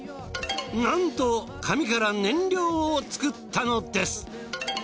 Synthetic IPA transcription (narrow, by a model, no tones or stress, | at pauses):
nãnt̪o | kʰamʲikaɾanẽ̞ɲɾʲo̞ːot͡sɨ̥kɯ̟t̪ʰːano̞d̪e̞sɨ̥